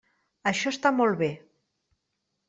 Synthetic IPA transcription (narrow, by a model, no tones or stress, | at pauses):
əʃɔst̪amɔlˠβe